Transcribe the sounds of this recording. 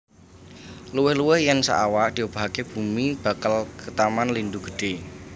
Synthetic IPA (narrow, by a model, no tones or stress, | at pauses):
luwɪhluwɪhjansə̰ʔawaʔd̥i̤ob̥a̤ɦakeb̥umib̥a̤kalkət̪amanlind̪uɡ̥ə̤̥ɖ̥e̤